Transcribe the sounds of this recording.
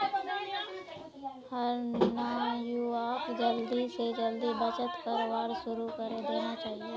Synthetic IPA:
həɾnaːmjuaːpd͡ʒəld̪ised͡ʒəld̪ibɐt͡ʃət̪kɐɾʋaːɾʃʊɾukəɾed̪eːnat͡ʃaːɦieː

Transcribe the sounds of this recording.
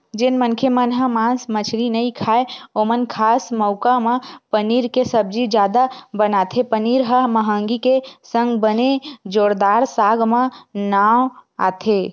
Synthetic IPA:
d͡ʒɪnmənkʰemənɦəmãːnsmət͡ʃʰɾinəĩkʰaːeoːmənkʰaːsməʊkamãpəniːɾkesəb̚d͡ʒid͡ʒjaːd̪abənaːt̪ʰepəniːɾɦəməɦə̃ːŋɡikesə̃ŋɡbəned͡ʒoːɾd̪aːɾsaːɡmãnaːwa̰ːt̪ʰe

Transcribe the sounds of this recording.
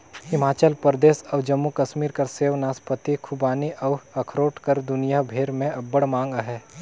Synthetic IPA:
hɪmaːt͡ʃəlpɾd̪eːsɔːʋd͡ʒɐmːukɐʃmiːɾkɐɾseːʋnaːspət̪ikʰʊbaːniʔɐʋɐkʰɾoːʈʰkɐɾd̪ʊnijabʱeːɾmẽɐbːəɽmãːŋɡɦɛː

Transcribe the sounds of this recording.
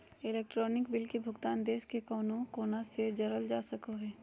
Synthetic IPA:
ɪlɛːk̚ʈɾoːnɪkbɪlkebʱʊɡt̪aːnd̪eːskekoːnõkoːnased͡ʒɐɾəld͡ʒaːsɐkoɦɛː

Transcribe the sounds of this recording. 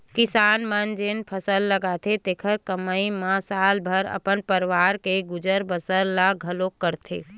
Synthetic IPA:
kɪsaːnmənd͡ʒenpʰəsəlːəɡaːt̪ʰet̪eːkʰəɾkəmaimãsaːlbʱəɾə̰pənpəɾʋaːɾkeɡʊd͡ʒəɾbəsəɾlaɡʱəlokːəɾt̪ʰḛː

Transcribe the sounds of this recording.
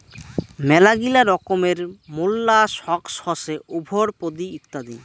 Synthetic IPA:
mɛlaɡilaɾɔkomeɾmulːaʃɔkʃhɔʃeʔubʱoɾpod̪iut̪ːad̪i

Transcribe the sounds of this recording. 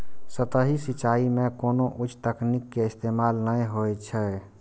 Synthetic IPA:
sət̪əɦisit͡ʃːaimẽkoːnoʔut͡ʃːt̪əknikːeɪst̪emalnəjɦojt͡ʃʰɛ

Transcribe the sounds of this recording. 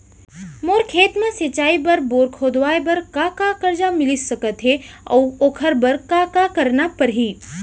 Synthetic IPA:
moːɾkʰeːt̪mãsɐt͡ʃaːibɐɾboːɾkʰoːd̪ʋaːjbɐɾkakakɐɾd͡ʒamɪlisɐkət̪ɦeɔ̰ːoːkʰəɾbɐɾkakakɐɾnapəɾɦiː

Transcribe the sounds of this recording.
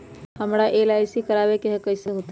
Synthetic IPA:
həmɾaʔeːlaːɪsikəɾaːbekeɦkəɪseɦoːt̪

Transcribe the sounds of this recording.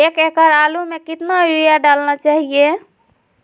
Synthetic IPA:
ekekəɾalumekit̪nabiɾijaɖalnat͡ʃaɦije

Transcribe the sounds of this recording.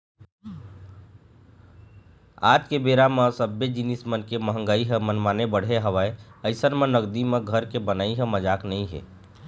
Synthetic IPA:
a̰t̪kebeɾaməsəbed͡ʒinismənkeməɦə̃ŋɡəiɦə̃mənmanebəɽ̤eɦəʋəeəɪsənmẽnəɡd̪imẽɡʱəɾkebənaiɦə̃məd͡ʒaːknəĩɦḛ

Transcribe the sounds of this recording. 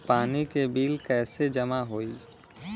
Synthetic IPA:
paːnikebilkɛːsed͡ʒəmaɦoi

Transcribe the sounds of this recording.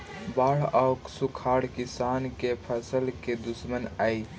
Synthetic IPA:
baːɽ̤ɔʊksukʰaːɽkɪsaːnkepʰəsəlked̪ʊsmənaːi

